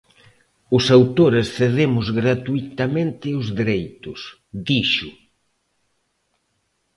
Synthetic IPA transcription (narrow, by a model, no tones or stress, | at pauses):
ʊsawt̪oɾɪsθeð̞emʊzɣɾat̪uit̪amẽnt̪ɪʊzðeɾejt̪ʊs | d̪iʃʊ